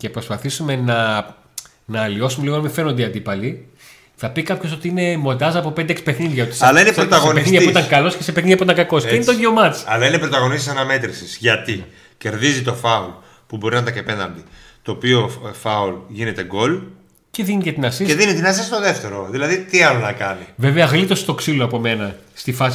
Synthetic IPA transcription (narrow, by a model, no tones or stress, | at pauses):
ce̞pɾospɐθisume̞nɐ | nɐːlio̞sumeiɣonɐmĩfeɾno̞nd̪eiɐnd̪ipɐli | θɐpikɐpço̞s̬o̞t̪iine̞mo̞nd̪ɐzɐpo̞pend̪eeksipe̞θxninðʝɐot̪i̥sɐlɐinesɾot̪ɐɣonpeisniðjɐpiit̪ɐŋkɐlo̞scesepeθniðjɐpuit̪ɐŋkɐko̞seineet̪oʝeomɐt͡sɐlɐinepɾot̪ɐɣo̞nist̪isɐnɐme̞t̪ɾisisʝɐt̪i | ce̞ɾðizit̪o̞fɐol | pubo̞ɾinɐt̪ɐkepenɐ̰nd̪it̪o̞ːpiofɐolʝine̞t̪e̞ɡo̞l | ce̞ðinicet̪inɐsiseðinit̪inɐs̬est̪oðe̞ft̪e̞ɾoðilɐðit̪iɐlonɐkɐniveveɐɣlit̪ost̪o̞ksiloɐpome̞nɐst̪ifɐs